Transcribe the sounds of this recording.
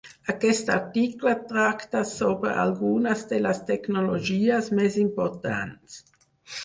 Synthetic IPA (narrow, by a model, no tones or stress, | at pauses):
akɛst̪aʁt̪iklat̪ɾakt̪asoːbɾə̰ʔa̰lɡunasd̪elast̪ɛknolod͡ʒiːasmɛsimpɔɾt̪a̰nts